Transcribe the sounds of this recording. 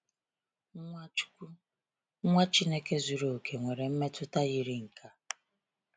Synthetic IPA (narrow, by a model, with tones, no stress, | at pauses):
ŋʷa˦t͡ʃi˦ne˦ke˦zu˨ɾo˨kʰe˨ŋʷe˨ɾe˨m̩˦me˦tʰʊ˦ta˦ɣi˦ɾi˦ŋ̩˨kʰa˦